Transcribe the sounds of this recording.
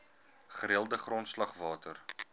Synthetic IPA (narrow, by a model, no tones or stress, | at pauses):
χəɾiəlˠdəχrɔntslɐχvɑːtər